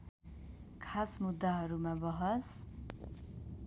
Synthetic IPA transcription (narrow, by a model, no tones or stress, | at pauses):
kʰasmud̪ːaɦʌɾumabʌɦʌs